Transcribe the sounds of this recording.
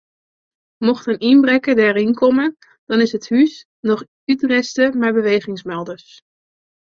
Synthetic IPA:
mɔχtənimbrɛkədɛːɾɪnkɔmən | d̥ɑnɪsɦəthys | nɔχ | ytrɛstəmɛjbəʋejχɪŋsmɛlˠdəɹs

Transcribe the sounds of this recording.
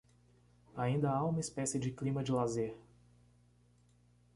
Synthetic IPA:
aĩnd̪ɐaũmɐispɛsɪd͡ʒɪklĩmɐd͡ʒɪlazeɾ

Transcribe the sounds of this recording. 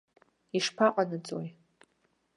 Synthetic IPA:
iʂpʰaqʼanɨt͡sʼo̰j

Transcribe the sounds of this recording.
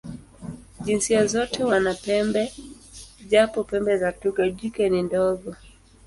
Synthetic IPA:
ʄinsiazɔtʰɛwanapɛmbɛ | ʄapɔpɛmbɛzatukaʄikɛnindɔɠɔ

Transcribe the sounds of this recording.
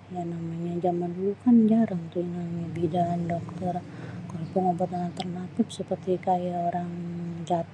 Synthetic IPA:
janamaɲad͡ʒamandulukand͡ʒaɾaŋnt̪uŋaɲabidandɔk̚t̪ɔrkalopʊŋabat̪anat̪ərnap̪ɪp̚səpərt̪ikajaoɾaŋd͡ʒat̪

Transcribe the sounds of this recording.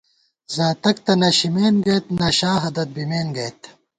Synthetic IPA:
zaːt̪ɐk̚t̪ɐnɐɕimeːnɡɐjt̪naːɕaːɦɐd̪ɐt̪̚bimeːnɡɐjt̪

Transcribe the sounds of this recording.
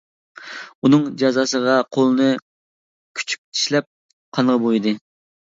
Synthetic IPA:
unɨŋd͡ʒɑzɑsəʁɑqʰolˠɨnɨ | kʲʰy̥t͡ʃʰy̥p̚t̪ʰi̥ʃlɛp̚ | qʰɑnʁəbojd̪ɨ

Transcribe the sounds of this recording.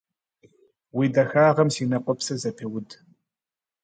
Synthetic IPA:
wiːdɐxaːʁɐmsiːnɐqʷʼɔpsɐzɐpʰewʊd

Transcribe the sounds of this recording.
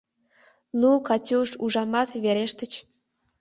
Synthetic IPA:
nukɑtʲuʃuʒɑmɑt̪βeɾeʃt̪ət͡ɕ

